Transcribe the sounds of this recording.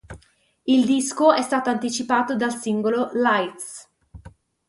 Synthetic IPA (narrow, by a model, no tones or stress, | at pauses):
ild̪iskoɛst̪aːt̪oant̪it͡ʃipaːt̪od̪alsiŋɡololajt̪s